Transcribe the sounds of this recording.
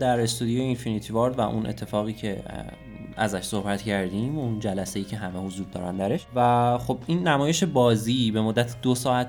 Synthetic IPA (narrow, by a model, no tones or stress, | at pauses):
d̪æɾest̪ʰud̪ijojeinfinit̪ʰivɑɾd̪væ̰ʔunʔe̞̰t̪ʰːe̞fɒːɣiːcʰe̞ | æzæʃso̞hbæt̪cʰæɾd̪iːmund͡ʒælæse̞jiːcʰe̞ɦæmehozuːɾd̪ɒ̰ːɾænd̪æɾe̞ʃvæχo̞binːæmɒːjeʃebɒːzibe̞mod̪ːæt̪ʰd̪osɒːæt̪